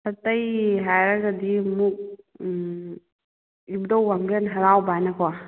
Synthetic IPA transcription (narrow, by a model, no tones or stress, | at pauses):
hɐtɐjɦajɾaɡadimuk̚ | ibdɔwɡamɡenɦɐɾawbanakʰɔwa